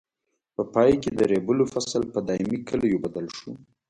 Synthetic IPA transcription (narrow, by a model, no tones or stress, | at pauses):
pəpɑjked̪əɾebəlofaslpəd̪ɑɪmikəlajobad̪əlʃu